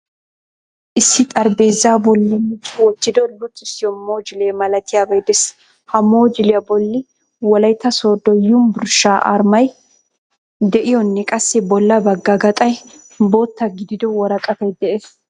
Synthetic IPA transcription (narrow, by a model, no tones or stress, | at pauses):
ʔɪsːɪt̪ʼɐɾbe̞ːzːaːbɔlːɪnːɪt͡ʃːʊwɔt͡ʃːɪd̪ɔlʊt͡sʼːɪsːɪjɔmoːd͡ʒɪleːmɐlɐt̪ɪjabɐjd̪ɛs | hɐmoːd͡ʒɪlɪjɐbɔlːɪ | wɔlɐjt̪ːɐsoːd̪ɔjːʊmbʊɾʃaːʔɐ̰ɾmɐj | d̪ɛʔɪjɔnːɛkʼɐsːɪbɔlːɐbɐɡːɐɡɐt̪ʼɐj | bo̞ːt̪ːɐɡɪd̪ɪd̪ɔwɔɾɐkʼɐfɐjd̪ɛʔeːs